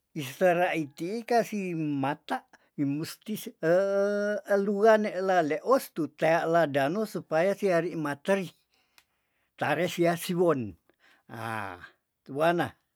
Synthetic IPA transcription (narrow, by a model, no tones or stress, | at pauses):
ist̪əɾaʔit̪iːkasimat̪aʔ | imust̪isə | əluaneʔlaleʔɔst̪ut̪eaʔladanosupajasiaɾiʔmat̪əɾi | t̪aɾɛsiasiwɔn | a̰ | t̪uana̰